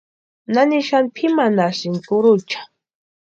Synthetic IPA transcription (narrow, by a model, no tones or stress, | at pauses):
naniʃanpʰimanasɪnkʊɾʊt͡ʃḁ